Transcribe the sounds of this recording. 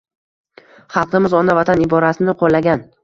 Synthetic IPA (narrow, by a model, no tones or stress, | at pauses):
χɑlˠqɨmɪzɒnavat̪ʰanɪbɒɾasɪnɪqʰolːaɡʲan